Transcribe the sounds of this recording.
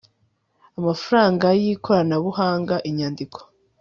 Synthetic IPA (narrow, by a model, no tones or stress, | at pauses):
amafaɾaːŋɡajikʰo̞ɾanaβuhaːŋɡaʔiɲaːndikʰo̥